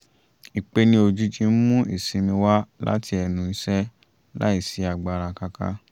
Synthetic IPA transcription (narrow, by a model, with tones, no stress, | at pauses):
i˨k͡pe˧nĩ˦o˧d͡ʒu˦d͡ʒĩ˧n̩˦mũ˦ḭ˨sĩ˧mĩ˧wa˦la̰˦tʰi˧ɛ˧nũ˨i˧˦sɛ˦ | la̰˦i˦˨si˨˦a˨ɡ͡ba˨ɾa˧ka˧ka̰˦